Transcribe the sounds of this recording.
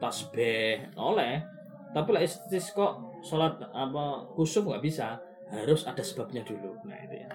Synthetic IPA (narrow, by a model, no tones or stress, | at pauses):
pasb̥ɛhʔo̰lɛh | t̪apilaʔist̪t̪iskɔʔ | solat̪̚apɔkusʊmŋɡaʔbisa | haɾʊsad̥a̤sə̥b̥a̤b̚ɲad̪̥uluna̰ḭt̪ṵja